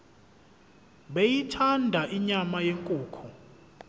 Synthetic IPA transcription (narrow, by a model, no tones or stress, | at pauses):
ɓejitʰandʱaʔiɲamajeŋkʼuːkʰɔ